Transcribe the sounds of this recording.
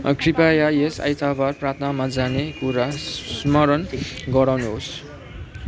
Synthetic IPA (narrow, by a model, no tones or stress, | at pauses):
kripajaesa̰jt̪ʰabarprat̪ʰnamad͡zanekuɾasmʌɾʌnɡʌɾawnuɦos